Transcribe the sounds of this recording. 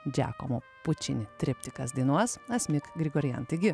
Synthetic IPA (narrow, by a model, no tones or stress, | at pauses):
d͡ʒʲæ̰ːko̰mo | pʊt͡ʃʲɪnʲɪt̪ʲɾʲɪpʲt̪ʲɪkɐsd̪ʲiːnuɔsɐt̪sʲmʲɪkɡɾʲɪɡoːɾʲɪjɛ̰nt̪ɐɪɡʲɪ